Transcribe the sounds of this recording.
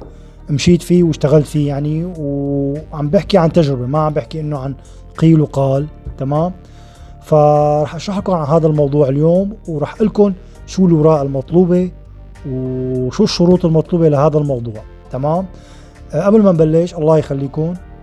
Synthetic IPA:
mʃiːt̪fiːwɪʃt̪aɣalt̪fiːjaʕniwʕambjɪħkiʕant̪aʒɾɪbemaʕambjɪħkiʔɪnːʊʕan | qiːlwqɑːlt̪amaːm | faɾˤɑːħʔaʃaħkʊnʕanɦaːd̪almɑwd̪ˤuːʕɪljoːmwɾˤɑːħʔɪlkʊn | ʃuːlwɑɾˤɑːʔɪlmɑt̪ˤluːbe | wʃuːʃːʊɾuːt̪ˤɪlmɑt̪ˤluːbelahaːd̪almɑwd̪ˤuːʕ | t̪amaːm | ʔablmambalːɪʃʔɑlˤːɑːjxalːiːkʊn

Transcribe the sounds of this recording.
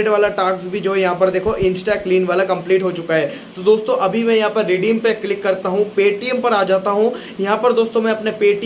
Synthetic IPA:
ɖʋaːlaʈaːksbʱid͡ʒoːɦɛjɐɦãpɐɾd̪eːkʰoʔɪ̃nsʈakliːnʋaːlakɐ̃mpliːʈɦot͡ʃʊkaɦɛː | t̪od̪oːst̪õʔɐbʱimɛ̃jɐɦãpɐɾːeːɖiːəmpekːlɪkːɐɾt̪aɦũpeːʈijəmpɐɾaːd͡ʒaːt̪aɦũ | jɐɦãpɐɾd̪oːst̪õmɛ̃ɐpnẽpeːʈi

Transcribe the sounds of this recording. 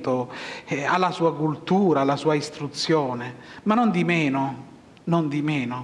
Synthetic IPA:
t̪o | alːasuːakult̪uːɾaːlːasuːaist̪ɾut̪sːjɔːnemanːond̪imɛːnʊ | nond̪imɛːno

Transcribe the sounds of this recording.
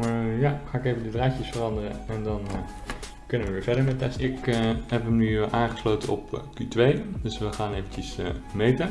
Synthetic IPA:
jaχaːɪkejvəndədraːcəsfərɑndərəɛndɑn | kɵnəʋəʋɪːɹvɛɹdəɹmɛtɛsɪkɦɛpəmnyʔaːŋχəslowtəɔ̰pkytʋejdɵsʋəχaːnejvəɲcəsə̰mejtə

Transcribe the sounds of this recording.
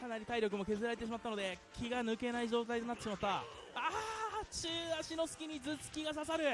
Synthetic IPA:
kanaɾʲit̪aiɾʲo̞kɯ̟mo̞ke̞zɨɾaɾeeɕimat̪ːano̞d̪e̞kʲʰiɡanɯ̟ke̞naiʑo̞ːt̪ait̪o̞nat̪ːeɕimat̪ːa | aːt͡ɕɨːaɕino̞sɨ̥kʲiɲ̟izɨt͡sɨ̥kʲiɡas̬asaɾɯ̟

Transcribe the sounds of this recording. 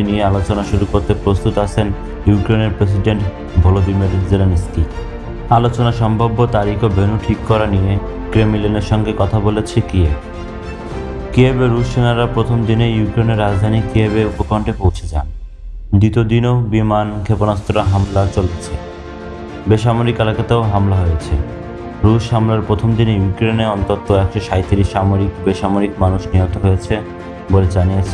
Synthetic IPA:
iniealot͡ɕonaʃuɾukoɾt̪epɾost̪ut̪at͡ɕʰen | jukɾeneɾpɾes̬iɖeɳʈ | bʱolod̪imeɾzelenski | alot͡ɕonaʃɔmbʱabːot̪aɾikʰobʱenuʈʰikːɔɾanije | kɾemileneɾʃɔŋɡekɔt̪ʰabolet͡ɕʰekieb | kiebeɾːuʃenaɾapɾot̪ʰomd̪inejukɾeneɾːad͡ʑd̪ʱanikiebeupokɾɔɳʈepowt͡ɕʰed͡ʑa̰n | d̪it̪od̪inobimankʰeponast̪oɾaɦamlat͡ɕolet͡ɕʰe | beʃamoɾikelakat̪aoɦamlaɦojet͡ɕʰḛ | ɾuʃɦamlaɾpɾot̪ʰomd̪inejukɾeneɔnt̪ot̪ːoɛkʃoʃajt̪iɾiʃamoɾikbeʃamoɾikmanuʃniot̪ʰoɦojet͡ɕʰe | boled͡ʑaniet͡ɕʰe

